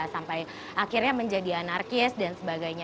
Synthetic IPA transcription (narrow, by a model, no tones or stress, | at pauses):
sampaj | akirɲaməɲd͡ʒadianarkɪsdansəbaɡajɲa